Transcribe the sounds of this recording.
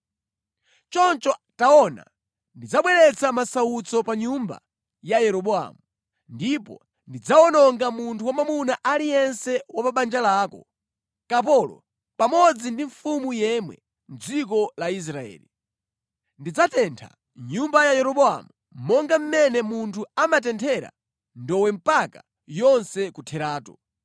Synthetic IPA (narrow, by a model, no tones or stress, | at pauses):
t͡ʃɔnt͡ʃɔtaɔna̰ | ndid͡zaɓwɛɾɛt͡sʰamasaut͡sɔpaɲumba̰ | jajɛɾɔɓɔa̰mu | ndipɔ̰ | ndid͡zaɔnɔŋɡamuntʰuwamamunaʔalijɛnsɛwapaɓand͡ʒalaːkɔ | kap̬ɔlɔ̰ | pamɔd͡zindiɱfumujɛmwɛ̰ | n̩d͡zikɔlais̬ɾaɛ̰ːli | ndid͡zatʰɛntʰa̰ | ɲumbajajɛɾɔɓɔa̰mu | mɔŋɡam̩mɛnɛmuntʰuamat̬ɛntʰɛɾa̰ | ndɔwɛm̩paka | jɔnsɛkutʰɛɾaːtɔ